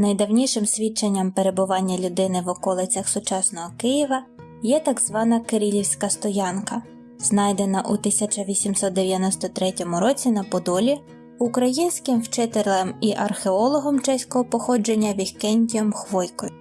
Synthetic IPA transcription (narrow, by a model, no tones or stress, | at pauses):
nɐjd̪ɐwnʲiʃɪmsʲʋʲit͡ʃːenʲːɐmpe̞ɾe̞bʊʋɑnʲːɐlʲʊd̪ɪnɪʋɔkɔlˠɪt͡sʲɐxsʊt͡ʃɑsnɔɦɔkɪjɪʋɐ | jɛt̪ɑɡz̥ʋɑnɐkeɾʲilʲiwsʲkɐst̪ɔjɑnkɐ | znɑjd̪e̞nɐʔut̪ɪsʲɐt͡ʃɐʋʲisʲimsɔt̪̚d̪eʋʲjɐnɔst̪ɔt̪ɾɛtʲɔmʊɾɔt͡sʲin̪ɐpɔd̪ɔlʲi | ʊkɾɐjinʲsʲkɪmwt͡ʃɪt̪eɾlˠɐmiʔɐrxeɔlˠɔɦɔmt͡ʃɛsʲkɔɦɔpɔxɔd͡ʒenʲːɐʋʲihkɛnʲdʲijɔmxʋɔjkɔjʊ